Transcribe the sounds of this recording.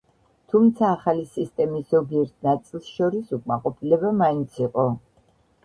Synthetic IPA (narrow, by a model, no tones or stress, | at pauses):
t̪ʰumt̪sʰaːχalisist̪ʼɛmiszɔbiɛɾt̪̚ʰnat̪sʼilˠsʃɔɾisukʼmaqʼɔpʰilɛbamaint̪sʰiqʼɔ